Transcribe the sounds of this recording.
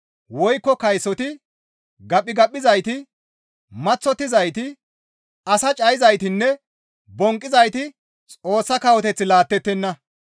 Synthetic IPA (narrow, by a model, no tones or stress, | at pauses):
wɔjkːɔkɐjsɔt̪ɪ | ɡɐpʼːɪɡɐpʼːɪzɐjt̪ɪ | mɐt͡sːɔt̪ːɪzɐjt̪ɪ | ɐsɐt͡ʃʼɐjɪzɐjt̪ɪnːɛ | bɔŋkʼːɪzɐjt̪ɪ | t͡sʼo̞ːsːɐkɐwɔt̪ɛt͡sːɪlaːt̪ːɛt̪ːɛnːɐ